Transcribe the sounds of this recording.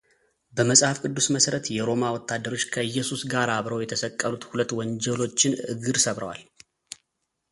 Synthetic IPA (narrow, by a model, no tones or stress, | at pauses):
bəməsʼhafkʼɨd̪ːusməsəɾət̪jɛɾo̞mawɔt̪ʰːad̪ːəɾo̞t͡ʃːkʰəɨjːɛsusɡaɾaβɾəwjɛt̪ʰəsəkʼːəlut̪hulət̪ːwɔɲd͡ʒɛlo̞t͡ʃːɪnʔɨɡɨɾsəβɾəwa̰l